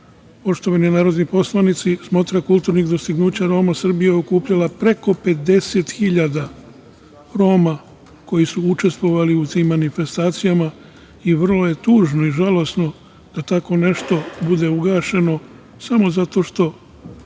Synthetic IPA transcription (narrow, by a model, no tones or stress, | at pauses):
po̞ʃt̪o̞ʋaninaːɾo̞d̪nipo̞slanit̪sismo̞t̪ɾakulˠt̪uːɾniɡd̪o̞st̪iɡnuːt͡ɕaɾo̞ːmasr̩bijeo̞kuːpʎalapɾe̞ko̞pe̞d̪e̞se̞t̪xiʎad̪a | ɾo̞ːma | ko̞jisuut͡ʃe̞st̪ʋo̞ʋaliut̪imːanife̞st̪aːt̪sijama | iʋr̩lo̞je̞t̪uːʒno̞iʒalo̞sno̞ | d̪̥at̪ako̞ne̞ʃt̪o̞bud̪e̞uɡaːʃe̞no̞ | samo̞zat̪o̞ʃt̪o̞